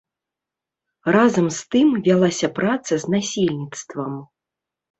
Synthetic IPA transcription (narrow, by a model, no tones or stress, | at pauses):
razɐmst̪ɨmvʲalˠasʲɐpɾat̪sɐzʲnasʲilʲnʲit̪st̪vɐm